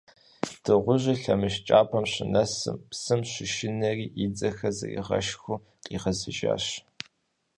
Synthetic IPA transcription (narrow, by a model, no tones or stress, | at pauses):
d̥ɨʁʷʊʑɪɬɐmɨʃt͡ʃʼaːpʰɐmɕɪnɐsɨ̰mpsɨmɕɪʃɪnɐriːʔid͡zɐxɐzɐ̰rḭʁɐ̰ʃxʷʊ | qʼḭːʁɐzɨʒa̰ːɕ